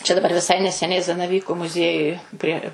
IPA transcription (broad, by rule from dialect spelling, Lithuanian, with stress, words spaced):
t͡ʃʲɛ dɐˈbɐr ʋʲɪˈsɐɪ nʲɛsʲɛˈnʲɛɪ zɐnɐˈʋʲiːkʊ mʊˈzʲiɛjʊj pʲrʲiɛ